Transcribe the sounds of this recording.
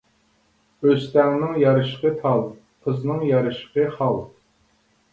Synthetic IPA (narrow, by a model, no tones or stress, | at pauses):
øst̪ɛŋnɪŋjɑɾɨʃqət̪ʰɑlˠ | qʰəznɨŋjɑɾɨʃqəχɑlˠ